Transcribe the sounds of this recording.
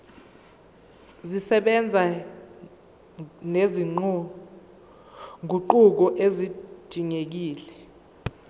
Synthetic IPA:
zisɛɓɛnd͡zʱa | neziŋ͡ǃɔ | ŋʱuǃuk̬ɔʔezid̥ʱiŋek̬iːlɛ

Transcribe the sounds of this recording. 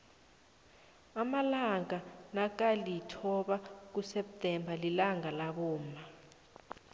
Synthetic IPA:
amalaŋanak̬alitʰɔɓak̬usɛp̚tʼɛmbʱalilaŋalaɓɔːma

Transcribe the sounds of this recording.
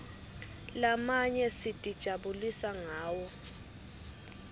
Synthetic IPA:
lamaɲɛsid̥ʼʱid̥ʒ̥ʱaɓulisaŋaːwɔ

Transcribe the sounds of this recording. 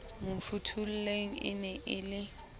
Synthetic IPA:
mʊfutʰul̩leŋ̩ɪ̰nɛʔɪlɪ

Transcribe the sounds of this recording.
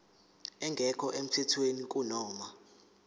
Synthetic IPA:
ɛŋɡʱɛkʰɔʔem̩tʰɛtʰwenik̬ʼunɔːma

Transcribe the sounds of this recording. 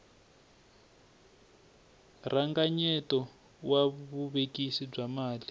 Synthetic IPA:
raŋɡaɲɛtɔ | waβuβekisib͡ʐamaːli

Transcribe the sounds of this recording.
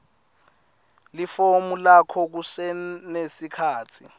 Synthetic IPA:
lifomulakʰɔk̬usɛnesikʰaːt͡sʰi

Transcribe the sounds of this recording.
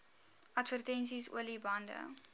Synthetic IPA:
ʔɐtvərtɛnsisṵəlibɐndə̰

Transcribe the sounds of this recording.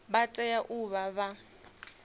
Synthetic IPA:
batʼɛjaʔuβaβa

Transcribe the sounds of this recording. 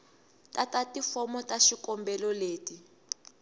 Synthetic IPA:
tatatifɔmɔtaʃikɔmbɛlɔleːti

